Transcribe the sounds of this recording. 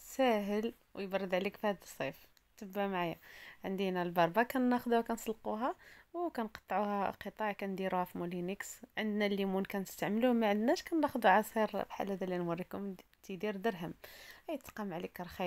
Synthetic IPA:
sæɦəl | wjbɑɾˤːəd̪ʕlikfihæd̪əsˤːif | t̪əbːamʕajaʕənd̪inælbɑɾˤbɑkænːæxd̪uhækænsˤɑlquɦæwkænqɑ̥t̪ˤːʕuhæqət̪ˤɑʕkænd̪iɾæfmuliniksʕənd̪nælimunkænəst̪aʕmluhmæʕənd̪næʃkænːæxd̪uʕɑsˤiɾbħa̰lːæd̪ælinwɑrːikʊm | t̪ʰid̪iɾd̪əɾɦəmhæjət̪qɑmʕlikɾˤxi

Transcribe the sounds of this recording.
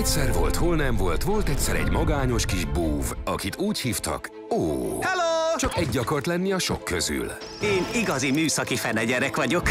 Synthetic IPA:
ɛcʲsɛrvo̞̰lt̪ho̞lnɛmvo̞lt̪ʋo̞lt̪ɛcʲsɛɾɛ̰ɟmɒɡaːɲo̞ʃkiʒbuːvɒkit̪uːchiːft̪ɒ̰k | oːhɛloːt͡ʃɒkɛɟːɒko̞rt̪lɛnːiɒʃo̰kːøzy̰l | eːniɡɒzimyːsɒkifɛnɛɟɛɾɛkʋɒɟo̞k

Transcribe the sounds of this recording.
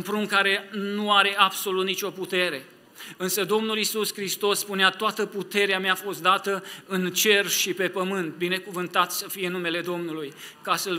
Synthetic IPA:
unpɾuŋkaɾe̞nuaɾe̞ab̥so̞lut̪nit͡ʃo̞put̪e̞ɾe̞ | ɨnsəd̪o̞mnulisuskɾist̪o̞sːpuneat̪oat̪əput̪e̞ɾeameaːfo̞st̪̚d̪at̪əɨnt͡ʃe̞rʃipe̞pəmɨnt̪̚bine̞kuvɨnt̪at̪səfijeɨnume̞le̞d̪o̞mnulujkasəl

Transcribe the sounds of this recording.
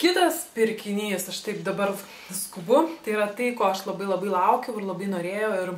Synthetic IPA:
kʲɪt̪ɐspʲɪɾʲkʲɪnʲiːsɐʃt̪ɐɪpd̪ɐbɐr | skʊbʊt̪ɐɪiːɾɐt̪ɐɪkoːɐʃlˠɐbɐɪlˠɐbɐɪlˠɐʊkʲɛʊɪɾlˠɐbɐɪnoːɾʲeːjɛʊɪr

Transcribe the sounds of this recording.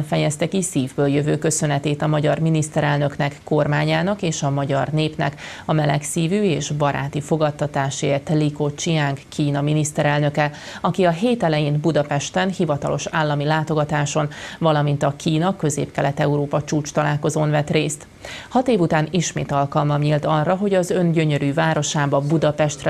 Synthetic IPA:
nfɛjɛst̪ɛkisiːvbøːljøvøːkø̞sø̞nɛt̪eːt̪ɒmɒɟɒrminist̪ɛɾɛlnø̞knɛkːo̞rmaːɲaːnɒkeːʃɒmɒɟɒrneːpnɛ̰k | ɒmɛlɛksiːvyːeːʒbɒɾʔa̰ːt̪ifo̞ɡɒt̪ːɒt̪aːʃeːrt̪liko̞t͡ʃijaːŋkkʰiːnɒminist̪ɛɾɛlnø̞kɛ | ɒkiɒɦeːt̪ɛlɛjeːnbud̪ɒpɛʃt̪ɛnhivɒt̪ɒ̰lo̞̰ʃaːlːɒmilaːt̪o̞ɡɒt̪aːʃo̞nvɒlɒmint̪ɒkʰiːnɒkø̞zḛːpkɛlɛt̪ɛuɾoːpɒt͡ʃuːt͡ʃt̪ɒlaːlko̞zoːnvɛt̪reːst̪ | hɒt̪eːvut̪aːniʃmḛːt̪ɒlkɒlmɒmɲilt̪ɒrːɒɦo̞ɟɒzø̞nɟø̞ɲø̞ɾyːvaːɾo̞ʃaːbɒbud̪ɒpɛʃt̪r

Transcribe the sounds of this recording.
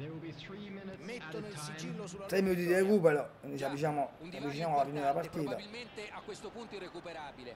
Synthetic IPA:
t̪ɾeminut̪id̪iɾekuːpɛlonisavit͡ʃaːmoavːit͡ʃinaːmɔlafined̪elapaɾt̪iːt̪alment̪eakːwest̪opunt̪oirekupeɾabile

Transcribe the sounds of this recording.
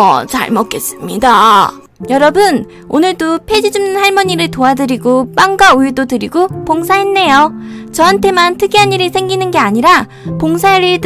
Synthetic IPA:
ʌ̰t͡ɕa̰ɭmʌk͈e̞s͈ɯ̥mɲida | jʌɾʌbɯn | onɯɭdopʰe̞d͡ʑid͡ʑumnɯnhaɭmʌɲiɾɯɭtoadɯɾiɡop͈aŋɡwauiɭdodɯɾiɡopoŋsʰaɦenːe̞jot͡ɕʌɦantʰe̞mantʰɯɡiɦaniɾiɭsʰe̞ŋɡinɯnɡe̞aɲiɾa | poŋsʰaɾiɭt

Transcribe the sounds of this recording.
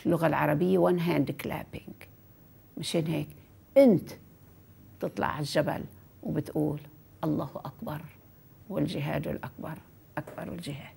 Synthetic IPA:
lːʊɣalʕɑ̰ɾˤɑbɪjːawanɦaːnd̪ɪkla̰ːpɪŋɡ | maʃeːnɦeːk | ʔɪnt̪ | t̪ɨt̪ˤlɑ̰ʕaʒːaba̰l | wbɪt̪ʔuːl | ʔɑlˤːɑːhʔakbɑɾˤ | wɪlʒɪɦa̰ːd̪wɪ̰lʔak̚bɑɾˤ | ʔakbɑ̰ɾˤwɪ̰lʒɪɦaːd̪̥

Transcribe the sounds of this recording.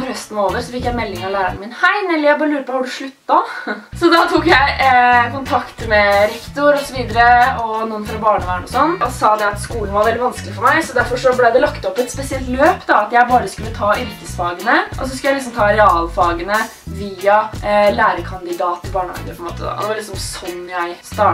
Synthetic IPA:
ɾhœst̪noːʋəɾsɔfɪkːjæɪmɛlːɪŋɑʋlæːɾə̰ɳəmɪnhæɪnɛlːɪjæɪbɑːɾəlʉːɾəpʰɔhɑɖʉʂɭʉt̪ːɑsɔd̪ɑt̪ʰuːkjæɪkʊnt̪ʰɑkt̪əmɛɾɛkt̪ʊɾɔsɔʋiːd̪əɾəɔnuːənfɾɑbɑːɳəʋæːəɳɔsɔnːɔsɑːd̪ɛɑt̪skuːln̩ʋɑɾʋɛlːɪʋɑnskəlɪfɔɾmæɪsɔd̪æɾfɔʂɔblɛd̪ɛlɑkt̪ɔpːɛt̪spɛsɪɛlt̪løːpd̪ɑɑt̪jæɪbɑːɾəskʉlːət̪ʰɑːʔʏɾkəsfɑːɡənəʔɔs̬ɔskʉljæɪlɪsɔmt̪ʰɑːɾɛɑːlfɑːɡənə | ʋiːɑlæːɾəkʰɑnd̪ɪd̪ɑːt̪ʰːɪlbɑːɳəhɑ̰ːɡəpʰɔɛmoːt̪əd̪ɑ̰d̪ɛʋɑɭɪksɔmsɔnːjæɪst̪ɑː

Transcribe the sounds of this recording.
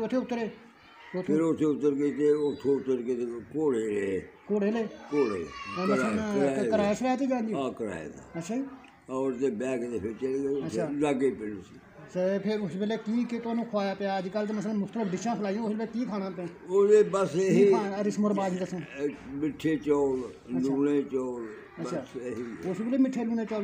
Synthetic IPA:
ʊt̪ʰːeːʊt̪ːɾeː | ot̪ʰɪɾot̪ʰːeːʊt̪ːəɾket̪eːʊt̪ʰːeːʊt̪ːəɾkeekoːɽeːleːkoːɽeːleːkoːɽḛːeːmənaːkəɾaːet͡ʃʰɾaːt̪iːd͡ʒãːnd̪d͡ʒiãːkəɾa̰ːḛd̪a̰ːətːʃʰaːiː | ɾt̪eːbɛːkt̪eːpʰɪɾt͡ʃəleeətːʰaːlaːɡeːpɪlusiː | sepʰɪɾʊsbeːleːkiːket̪ʊaːnũːkʰwaːjaːpejaːəd͡ʒkəlt̪eːməs̬lːmʊxt̪ələfɖɪʃãːpʰəlaːiãːslbekiːkʰaːɽãːpãː | od̪eːbəseaɾɪsmʊɾbaːzĩːt̪əsõːmɪʈʰːeːt͡ʃɔːl | luːneːt͡ʃɔːl | əːʃʰaːɦiʊsbeːleːmɪʈʰːeːluːneːt͡ʃɔːl

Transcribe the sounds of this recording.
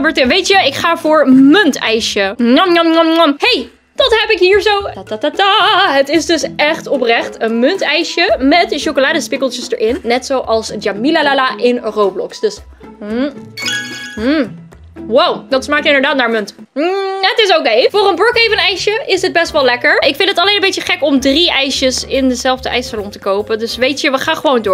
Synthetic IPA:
bəːɹtɪnʋejtjəɪkχaːvʊːɹmɵntɛjʃəɔmɔmɔmɔmhej | d̥ɑtɦɛpɪkɦiːɹzowtatatataɦətɪsdɵsɛχtɔprɛχtənmɵntɛjʃəmɛtʃowkolaːdəspɪkəlˠt͡ʃəsdə̰ɹʔɪnːɛtsowʔɑlˠsd͡ʒamilalalaʔɪnrowblɔ̰ksd̥ɵs̩ | wawdɑtsmaːk̚jəɪndəɹdaːtnaːɹmʏnt̩ | ɦətɪs̬okejvʊːrənbrɔkejvənɛjʃəɪsɦəd̚bɛstʋɛlɛkəɹɪkfɪ̃ntdətɑlejnəmbejtəχɛkɔmdriʔɛjʃəsɪndəzɛlˠvdəʔɛjsalɔntəkowpədɵsʋejtəʋəχaːnχəʋowndʊːɹ

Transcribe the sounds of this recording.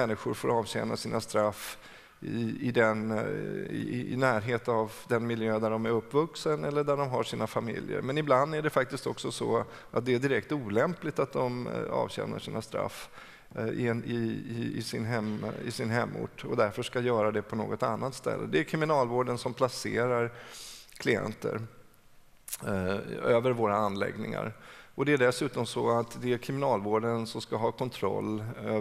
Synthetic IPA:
ɛnːɪɧʊɾfoːɾɑːvɕɛ̰na̰siːnast̪ɾafː | ɪɪd̪ɛn̰ | ɪnæːɾɦeːt̪avd̪ɛnmɪljøːd̪æɖɔmæɾɵpːvɵksənɛlːəɖæɖɔmɦaʂiːnafamɪ̰ljə̰ɾmɛnɪbland̪æɖɛfak̚t̪ɪst̪ɔksɔsɔ̰ | ʔat̪̚d̪ɛæɖ̪ɪɾɛkt̪uːlɛmplɪt̪at̪̚d̪ɔmɑ̰ːvɕɛ̰ːna̰ʂiːnast̪ɾa̰fː | ɪɪɪɪ̰sɪnɦɛmɪ̰sɪnɦɛmːʊ̰ʈːɔd̪æɾfœʂkajœːɾad̪ɛpʰɔno̰ːɡɔt̪anːat̪st̪ɛ̰lːə̰d̪ɛæɾkʰɾɪmɪnɑːlvoːɖənsɔmpʰlaseːɾaɾkʰlɪɛ̰nt̪ə̰ɾ | øːvəɾvoːɾaanːlɛ̰ɡnɪŋa̰ɾɔd̪ɛæɖɛsʉ̟ːt̪ɔmsɔat̪d̪ɛæɾkʰɾɪmɪnɑːlvoːɖənsɔmskaɦɑːkʰɔnt̪ʰɾɔ̰lːø

